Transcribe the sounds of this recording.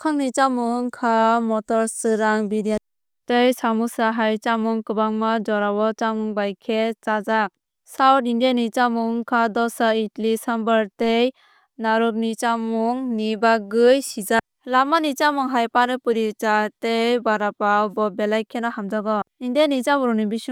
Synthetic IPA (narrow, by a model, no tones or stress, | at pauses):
kʰaŋnit͡ʃamuŋkʰamɔtɔɾsɯɾaŋbiɾia | tejsamusaɦajt͡ʃamuŋkɯbaŋmad͡ʒɔɾawɔt͡ʃamuŋbajkʰet͡ʃazak̚ | sawtindanit͡ʃamuŋkʰadɔsaitlisambaɾtej | naɾuk̚nit͡ʃamuŋnibaɡɯjsid͡ʒa | lamanit͡ʃamuŋɦajpanɯpɯɾit͡ʃatejbaɾapawbɔbelajkʰenɔhamd͡ʒaɡɔindianit͡ʃabɔɾɔnibis